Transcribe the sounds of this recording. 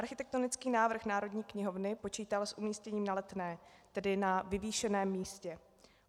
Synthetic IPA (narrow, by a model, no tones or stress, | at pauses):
ʔaɾxɪt̪ɛk̚t̪onɪt͡skiːnaːvr̩xnaːɾo̞dɲiːkɲɪɦo̞vnɪpo̞t͡ʃiːt̪alsʔumiːscɛɲiːmnalɛt̪nɛːt̪ɛdɪnavɪviːʃɛnɛːmːiːscɛ